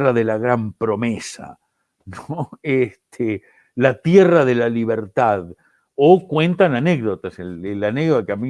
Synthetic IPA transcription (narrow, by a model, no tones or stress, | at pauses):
raðelaɣɾampɾo̞mesa̰ | noest̪ʰe | lat̪jeraðe̞laliβ̞eɾt̪að | okwe̞nt̪ananeɣðot̪aselelaneɣðot̪akami